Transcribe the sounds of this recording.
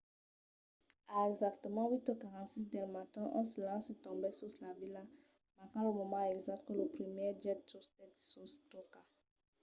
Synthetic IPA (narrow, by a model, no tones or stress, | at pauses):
aɛɡzak̚t̪əmɑ̃wit̪əkaʁɑ̃t̪sisd̪ɛlmat̪ɛ̃ʔɔ̰̃səlɑ̃set̪ɔ̃bɛsuslavila | makɑ̃ləmɔmɑ̃ɛɡzak̚t̪̚kələpχimɛd͡ʒɛttost̪ɛtsust̪oka